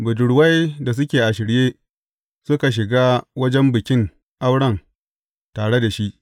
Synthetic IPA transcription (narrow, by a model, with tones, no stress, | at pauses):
bʊ˨dʊ˨ɽwa˦jda˨s̬ʊ˦kʲeː˨ʔa˨ʃɪ˨ɾjeː˦ | sʊ˦ka˨ʃ̬ɪ˨ɡaː˦wɐ˦d͡ʒɛ˦mbɪ˨kʲɪ˦ŋ | ʔa˦wɽɐ˦˨ŋ | taː˨ɽe˦da˨ʃi˦ʔ